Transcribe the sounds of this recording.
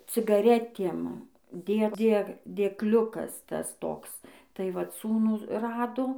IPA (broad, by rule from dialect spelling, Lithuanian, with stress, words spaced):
t͡sʲɪɡɐˈrʲæːtʲiɛm ˈdʲeː ˈdʲeː dʲeːkˈlʲʊkɐs ˈtɐs ˈtoːks tɐɪ ˈʋɐt ˈsuːnuː ˈrɑːdoː